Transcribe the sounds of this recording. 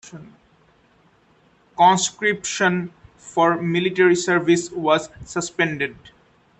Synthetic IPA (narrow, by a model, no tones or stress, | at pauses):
n | kɔ̃nskɾipʃə̃n | fɔɾmiliʈeɾisəɾviswɔzsəspẽɳɖeɖ